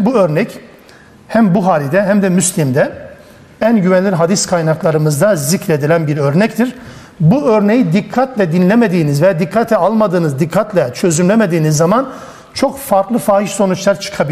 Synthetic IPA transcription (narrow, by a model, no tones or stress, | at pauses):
buø̞ɾnɛc | hæmbuɦaːlʲid̪ɛɦæmd̪ɛmyslʲimd̪ɛ | ænɟyvɛnlʲiɦad̪iskʰajnaklˠaɾɯmɯzd̪azicɾe̞d̪ilʲænbiɾø̞ɾnɛct̪ʰiɾ | buø̞ɾne̞jid̪ikʰːat̪lʲɛd̪inlʲeme̞d̪iːnizvɛad̪ikʰːat̪ʰɛalˠmad̪ɯːnɯzd̪ikʰːat̪lʲɛt͡ʃʰø̞zynlʲeme̞d̪iːnizːaman | t͡ʃʰo̞kfaɾklˠɯfaːhiʃso̞nut͡ʃlˠaɾt͡ʃʰɯ̥kʰabi